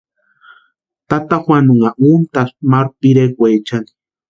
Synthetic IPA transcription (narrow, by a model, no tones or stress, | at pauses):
t̪at̪axwanuŋaʔunt̪asmaɾpiɾekʷejt͡ʃaŋi̥